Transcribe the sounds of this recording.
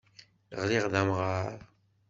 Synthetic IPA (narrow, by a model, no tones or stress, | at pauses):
ʁliʁðæmʁaɾˤ